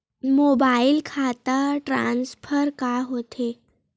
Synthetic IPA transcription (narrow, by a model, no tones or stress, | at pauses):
mobailkʰat̪əʈɾa̰nsfəɾkaɦot̪ʰe